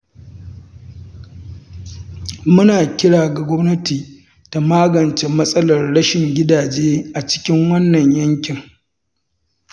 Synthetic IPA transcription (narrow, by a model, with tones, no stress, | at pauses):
mʊ˦naː˨kʲɪ˦ɽaː˨ɡa˨ɡʷɔ˦mnɐ˦tiː˨ | ta˨maː˦ɡɐ˨nt͡ʃe˨mɐ˦sʼɐ˦lɐ˨rɽɐ˦ʃɪ˨ŋɡʲɪ˦daː˨d͡ʒeː˦ʔa˨t͡ʃɪ̥˦kʲɪ˦ŋwɐ˦nːɐ˨ɲjɐ˦ŋkʲɪ˨ŋ